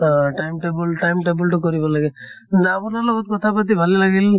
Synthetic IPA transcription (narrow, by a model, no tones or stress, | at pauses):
ɔ̃ʈajmʈebulʈajmʈebulʈukɔɾibɔlaɡekindapunaɾlɔɡɔt̪̚kɔt̪ʰapat̪̬ibʱalelaɡil